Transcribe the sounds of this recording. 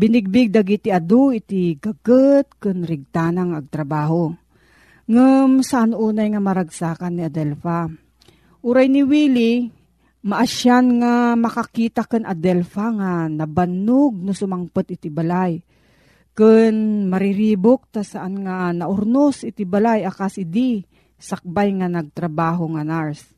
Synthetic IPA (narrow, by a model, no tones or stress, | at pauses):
bɪnɪɡ̚bɪɡ̚d̪ɐɡit̪iʔɐd̪oʔɪt̪iɡɐɡət̪̚kɨnɾɪɡ̚t̪aːnaŋɐɡ̚t̪ɾɐbaːɦo | ŋɨmsɐʔanʔuːnajŋamɐɾɐɡsaːkanːiɐd̪ɛlfa | ʔuɾajnɪwiːli | mɐʔaʃanŋamɐkɐkiːt̪ɐkɨnʔɐd̪ɛlfaŋanɐbɐnoɡ̚nʊsʊmaŋpot̪ʔɪt̪ibɐlaj | kɨnmɐɾɪɾiːbok̚t̪asɐʔanŋanɐʔʊɾnosɪt̪ibɐlajakasɪd̪i | sɐk̚bajŋanɐɡ̚t̪ɾɐbaːɦoŋanaɹs